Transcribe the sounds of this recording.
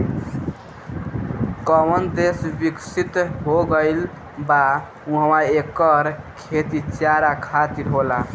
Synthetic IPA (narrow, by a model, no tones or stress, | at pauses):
kəmənd̪esbiksit̪ɦoɡəɪl | ba | ũɦəmaekːəɾkʰet̪it͡ʃjaɾakʰat̪iɾɦola